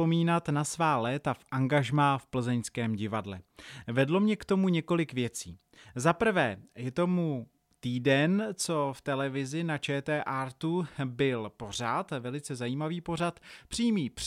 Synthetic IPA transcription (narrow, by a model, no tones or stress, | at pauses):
omiːnat̪nasvaːlɛːt̪afʔaŋɡaʒmaːfpl̩zɛɲskɛːmɟɪvadlɛ̰vɛdlo̞mɲɛkt̪o̞muɲɛko̞lɪkvjɛt͡siː | zapr̩vɛːjɛt̪o̞mu | t̪iːdɛnt͡so̞ft̪ɛlɛvɪzɪnat͡ʃɛːt̪ɛːʔaɾt̪ubɪlpo̞r̝at̪vɛlɪt͡sɛzajiːmaviːpo̞r̝at̪pr̝̥iːmiːp